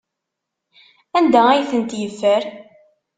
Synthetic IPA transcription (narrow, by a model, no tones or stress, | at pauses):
ænd̪ææjθənt̪jəfːəɾ